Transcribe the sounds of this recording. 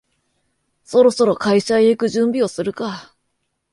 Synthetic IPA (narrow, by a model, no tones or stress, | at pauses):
so̞ɾo̞so̞ɾo̞kaiɕaeikɯ̟ʑɨ̃mbʲio̞sɨɾɯ̟ka